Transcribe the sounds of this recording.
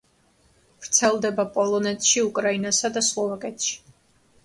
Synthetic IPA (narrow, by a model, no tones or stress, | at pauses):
vɾt̪sʰɛlˠd̪ɛbapʼɔlˠɔnɛt̪ʼʃiukʼɾainasad̪aslˠɔvakʼɛt̪ʃi̥